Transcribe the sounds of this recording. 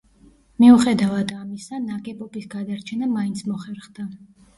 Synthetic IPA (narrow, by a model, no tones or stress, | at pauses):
miuχɛd̪avad̪amisanakʼɛpʼɔpʼisɡad̪aɾt͡ʃʰɛnamaint̪sʰmɔχɛɾχd̪a